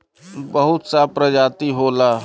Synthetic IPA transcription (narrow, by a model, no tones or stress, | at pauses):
bəɦʊt̪sapɾəd͡ʒaːt̪iɦoːlaː